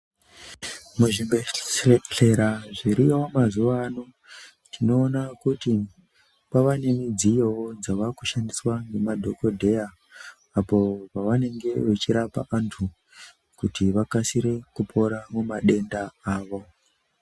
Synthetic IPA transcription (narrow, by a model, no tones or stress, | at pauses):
muʐimeɬe̞ɾaʐiɾiomazuʋano | tino̞ːnakuti | paʋane̞mid͡zijowod͡zaʋakuʃandiswaŋɡe̞madʱo̞ko̞dʱe̞jaː | po̞paʋane̞ŋɡe̞ʋet͡ʃiɾapa̰ʔantʰu | kutiʋakasiɾe̞kupʰo̞ɾamumaɗe̞ndaaːʋo̞